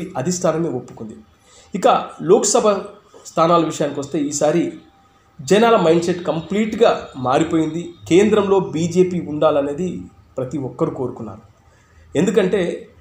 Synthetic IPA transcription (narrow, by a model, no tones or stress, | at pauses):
ɐd̪ʱisʈʰaːnɐmeːopːu̥kund̪i | ikɐloːkɐsɐbʱɐ | st̪ʰaːnaːlɐʋiʂɐjaːnikiʋɐst̪e̞ːiːsaːɾi | d͡ʒɐnaːlɐmɐjɳɖseʈːkɐmpliːʈɡaːmaːɽipo̞ːjind̪ikeːnd̪ɾɐmlo̞ːbiːd͡ʒe̞ːpiːuɳɖaːlɐne̞ːd̪i | pɾɐt̪iɔkːɐɾuko̞ːɾukunːa̰ːɾu | e̞nd̪ukɐɳʈe̞ː